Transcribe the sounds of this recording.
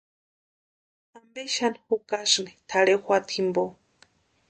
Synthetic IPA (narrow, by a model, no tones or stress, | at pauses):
ambeʃanxukasnit̪ʰaɽexʷat̪ʰimbo